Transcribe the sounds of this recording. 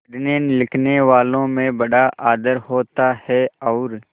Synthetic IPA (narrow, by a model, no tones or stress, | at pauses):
ɖneːnlɪkʰneːʋaːlõːmẽːbəɖaʔaːd̪əɾhoːt̪aːhɛːɔːɾ